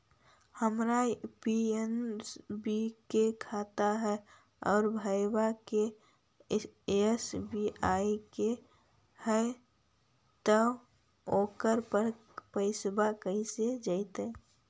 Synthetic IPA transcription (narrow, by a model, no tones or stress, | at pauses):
həmɾaipiensbikekʰaːt̪aɦɛ | ɔːɾbʱəjbake | esbʱiʔaːike | hɛ | t̪ə | oːkəɾpəɾ | pəɪsbakəĩsed͡ʒaɪt̪eː